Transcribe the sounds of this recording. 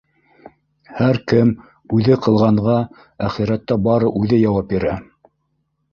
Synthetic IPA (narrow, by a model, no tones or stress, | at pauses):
hæɾkɘm | ʉðɘqɤ̆lˠʁɑɴʁɑ | æχiɾæt̪ːɑbɑɾɤʔʉðɘjɑwɑp̚biɾæ